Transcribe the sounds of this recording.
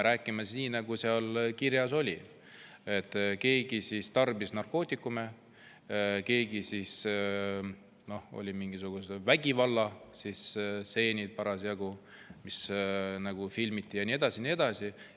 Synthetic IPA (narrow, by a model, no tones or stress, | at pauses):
eɾæːkːˑimesiːnɑɡ̥useɑlkiɾjɑso̞lʲi | e̞t̪ːˑke̞ːɡisist̪ɑrbisnɑrko̞ːt̪ːˑikːˑume̞ | ke̞ːɡisis | no̞o̞̰lʲimiŋɡ̥isuɡ̥usvæɡ̥ivɑlːɑsisse̞ːnʲid̪̥̚pɑɾɑsjɑɡu | misnɑɡ̥ufilmit̪ːijɑnʲie̞d̪̥ɑsinie̞d̪̥ɑsi